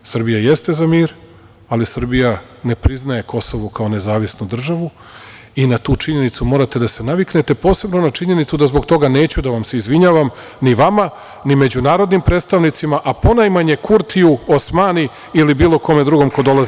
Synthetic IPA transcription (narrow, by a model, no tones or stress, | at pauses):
sr̩bijaje̞st̪e̞zamiːɾ | alisr̩bija | ne̞pɾiznae̞ko̞soʋokao̞ne̞zaːʋisnud̪r̩ʒaʋu | inat̪uːt͡ʂiɲe̞nit̪sumo̞ːɾat̪e̞d̪ase̞naʋikne̞t̪e̞po̞ːse̞bno̞nat͡ʃiɲe̞nit̪sud̪azbo̞ɡt̪o̞ɡane̞ːt͡ɕud̪aʋamse̞izʋiɲaːʋam | niʋama | nime̞d͡ʑunaːɾo̞d̪nimpɾet̪st̪aʋnit̪simaʔapo̞najmaɲe̞kuɾt̪ʰijuosmaːni | ilibiːlˠo̞ko̞me̞d̪ɾuɡo̞mkod̪o̞lˠazi